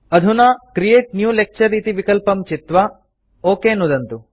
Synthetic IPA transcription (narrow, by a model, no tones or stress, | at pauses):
ɐd̪ʱunaːkɾijeːʈ̚njuːlek̚t͡ʃɐɾːiːt̪iʋikɐlpɐmt͡ʃit̪ʋa | oːkeːnud̪ɐnt̪u